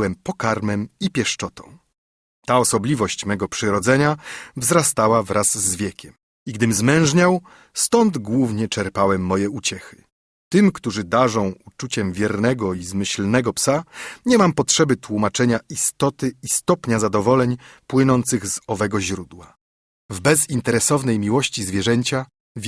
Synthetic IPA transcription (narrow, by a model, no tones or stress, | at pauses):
wɛmpɔkaɾmɛmipʲjɛʂt͡ʂɔt̪ɔ̰̃w̃ | t̪aɔsɔblʲivɔɕt͡ɕmɛɡɔpʂɘɾɔd̪zɛɲavzɾast̪awavɾʔazːvʲjɛkʲɛm | iɡd̪ɘmzmɛ̃w̃ʐɲaw | st̪ɔnd̪ɡwuvɲɛt͡ʂɛɾpawɛmːɔjɛut͡ɕɛxɘ̥ | t̪ɘmkt̪uʐɘd̪aʐɔ̃w̃ut͡ʂut͡ɕɛmvʲjɛɾnɛɡɔizmɘɕlnɛɡɔpsaɲɛmampɔtʂɛbɘt̪wumat͡ʂɛɲaist̪ɔt̪ɘist̪ɔpɲazad̪ɔvɔlɛɲpwɘnɔnt̪sɘɣzɔvɛɡɔʑɾud̪wa | vbɛzint̪ɛɾɛsɔvnɛjmʲiwɔɕt͡ɕizvʲjɛʐɛɲt͡ɕa | vʲ